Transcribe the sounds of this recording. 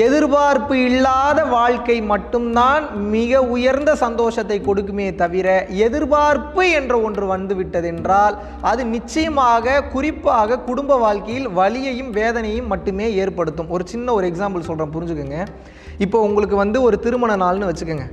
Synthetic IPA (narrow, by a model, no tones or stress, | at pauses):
ɛðɪɾbaːɾpɯɪɭːaːðɐʋaːɻkɐɪmɐʈːɯmt̪aːnmɪɣɐʊjɐɾnd̪ɐsɐnd̪oːʂɐt̪ːɐɪkːɔɽɯk̬ːɯmeːt̪ɐʋɪɾɐɛðɪɾbaːɾpɯɛndrɐɔndrɯʋɐnd̪ɯʋɪʈːɐðɛndraːl | ɐðɯnɪt͡ʃːɐjɐmaːɣɐkʊrɪpːaːɣɐkʊɽʊmbɐʋaːɻkɐjɪlʋɐɭɪjɐjɯmʋeːðɐnɐjɯmːɐʈːɯmeːeːɾpɐɽɯt̪ːɯmɔɾɯt͡ʃɪnːɐɔɾɯɛksaːmbɐlsɔlrɐmpʊɾɪɲd͡ʒɯkːɯŋɡɐ | ɪpːoːʊŋɡɐɭɯkːɯʋɐnd̪ɯɔɾɯt̪ɪɾɯmɐɳɐnaːlnɯʋɐt͡ʃːɯkːɯŋɡɐ